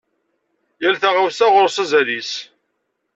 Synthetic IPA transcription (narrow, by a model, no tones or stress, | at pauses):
jælθaʁawsæʁʊɾˤsæzælis